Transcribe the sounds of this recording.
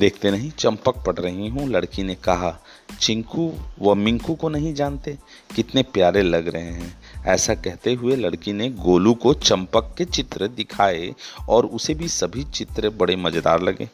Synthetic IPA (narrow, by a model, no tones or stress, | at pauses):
d̪eːkʰt̪enɐɦĩt͡ʃɐ̃mpək̚pɐɽɾɐɦĩɦũlɐɽkinekɐɦa | t͡ʃɪ̃ŋkuʋɐmɪ̃ŋkukonɐɦĩd͡ʒaːnt̪eː | kɪt̪nepjaːɾelɐɡɾɐɦẽɦɛ̃ː | ɛ̰ːsakɛɦt̪eɦʊelɐɽkineɡoːlukot͡ʃɐ̃mpəkːet͡ʃɪt̪ɾəd̪ɪkʰaːeɔːɾʊsebʱisɐbʱit͡ʃɪt̪ɾəbɐɽemɐd͡ʒd̪a̰ːɾlɐɡḛː